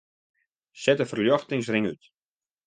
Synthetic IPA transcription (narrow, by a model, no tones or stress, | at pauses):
sɛtəfərljɔxtɪŋs̬rɪŋyt